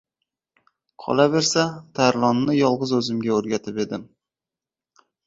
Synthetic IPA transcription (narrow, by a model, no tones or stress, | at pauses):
qʰɒ̰lˠave̞ɾsat̪ʰaɾlˠɒnːɪjɒlˠʁɨzɵzɪmɡʲaɵɾɡʲat̪ʰɪpe̞d̪ɪm